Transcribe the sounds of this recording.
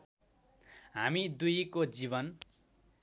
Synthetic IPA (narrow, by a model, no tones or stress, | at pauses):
ɦamid̪ujkod͡zibʌn